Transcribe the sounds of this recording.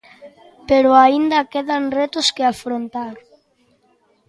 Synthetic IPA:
peɾʊaind̪ɐkeðanret̪ʊskeafɾont̪aɾ

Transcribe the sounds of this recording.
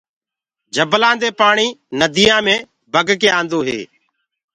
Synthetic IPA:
d͡ʒʱəblãːnd̪eːpaːɳiːnəd̪iːãːmẽː | bʱəɡk̬eːãːnd̪oːɦḛː

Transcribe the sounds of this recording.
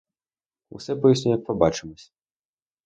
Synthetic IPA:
ṵsɛpɔjisʲnʲujɐk̚pɔbat͡ʂɨmɔsʲ

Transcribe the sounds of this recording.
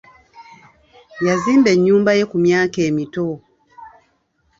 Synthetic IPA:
jazimbɛɲumbajɛkumjakɛmitɔ

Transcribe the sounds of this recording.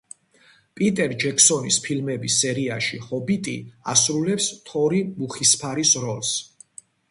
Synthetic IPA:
pʼit̪ʼɛɾd͡ʒɛkʰsɔnispʰilmɛbisɛɾiaʃihɔbit̪ʼḭa̰sɾulɛpst̪ʰɔɾimuχispʰaɾisɾɔls

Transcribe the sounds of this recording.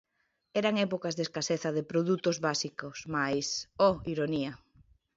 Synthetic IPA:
ɛɾaŋɛpokazðeskaseθaðepɾoðut̪ozβasikosmajsɔiɾoniɐ

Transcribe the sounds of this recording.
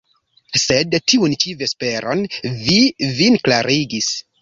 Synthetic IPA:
se̞dtiunt͡ʃive̞spe̞ɾʔo̞nvivinklaɾiɡis

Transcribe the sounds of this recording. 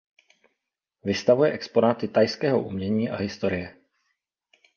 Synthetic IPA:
vɪst̪avujɛʔɛkspo̞naːt̪ɪt̪ajskɛːɦo̞̰ʔumɲɛɲiːʔa̰ɦɪst̪o̞ɾɪjɛ

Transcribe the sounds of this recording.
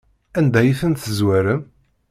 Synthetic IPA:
ænd̪æjiθənt̪əzwæɾəm

